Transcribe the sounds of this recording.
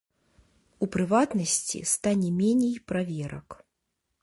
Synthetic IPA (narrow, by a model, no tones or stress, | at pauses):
upɾɨvat̪nɐsʲt͡sʲḭst̪anʲɛmʲɛnʲɛjpɾavʲɛɾɐ̰k